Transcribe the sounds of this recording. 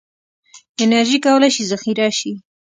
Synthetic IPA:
ɪnaɾʒikawəlajʃizaxiɾaʃi

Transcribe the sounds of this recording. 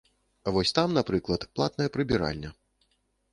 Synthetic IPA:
avɔsʲt̪amnapɾɨklˠɐt̪plˠa̰t̪nɐjɐpɾɨbʲiɾa̰lʲnʲɐ

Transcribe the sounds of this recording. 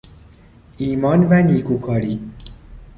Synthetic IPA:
iːmɒːnvæniːkʰukʰɒːɾiː

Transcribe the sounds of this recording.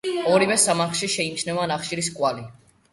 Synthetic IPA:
ɔɾivɛsamaχʃiʃɛimt͡ʃʰnɛvanaχʃiɾiskʼwali

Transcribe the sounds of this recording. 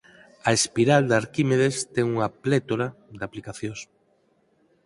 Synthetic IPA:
ɐespiɾald̪aɾkimeðest̪ɛŋuŋɐplet̪oɾad̪aplikaθjõs

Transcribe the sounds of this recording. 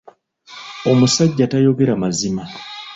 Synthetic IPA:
o̞musaɟːatajo̞ɡe̞ɾamazima

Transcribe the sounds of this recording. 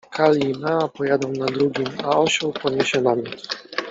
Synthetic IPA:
kʰalimɛapɔjad̪ɔ̃w̃nad̪ɾuɡʲimaɔɕɔwpɔɲʲɛɕɛnamʲɔt̪s

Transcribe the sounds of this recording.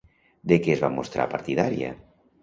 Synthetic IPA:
d̪ekeezβamost̪ɾa̰paɾt̪iðaɾja̰

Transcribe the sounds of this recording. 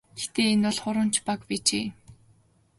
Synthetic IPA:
ɡext̪eːenʊɮχʊɾə̆nt͡ɕʰpakpiːt͡ɕeː

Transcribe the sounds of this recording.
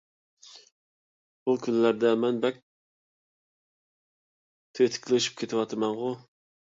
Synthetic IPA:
bukʲʰynlæɾd̪ɛmɛnbɛk̚ʲ | t̪ʰøt̪ʰɪ̥kʲʰlɪʃy̥p̚kʲʰet̪ʰɪwɑt̪ʰɨmɛnʁʊ

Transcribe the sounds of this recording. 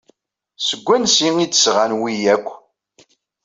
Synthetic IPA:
səɡʷːænsiŋid̪ə̥sʁænwijækʷː

